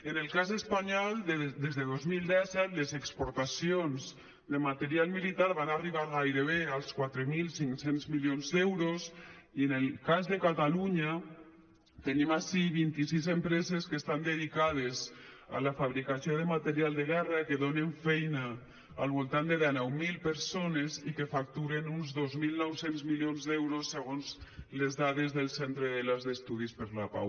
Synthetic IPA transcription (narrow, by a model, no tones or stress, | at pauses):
enelkazespaɲɔlˠd̪d̪ezðeð̞ozmild̪ɛsɛt̪lezekspoɾt̪asionz | d̪emat̪eɾialmilit̪aɾβanariβ̞aɾɣajɾeβealˠskwat̪ɾemilsiŋsenzmiljonzðɛwɾosienelkazðekat̪aluɲa | t̪enimaʃiβint̪isizempɾezeskest̪and̪eðikað̞ez | a̰lafaβɾikasioðemat̪eɾialˠd̪eɣɛrakeðoneɱfɛjnaː | lˠβulˠt̪and̪eðanɔwmilpeɾsonezikefak̚t̪uɾenunzðozmilnɔwsenzmiljonzðɛwɾosːeɣ̞onzlezðaðezðelˠsent̪ɾeðelazðest̪uðispeɾlapa̰w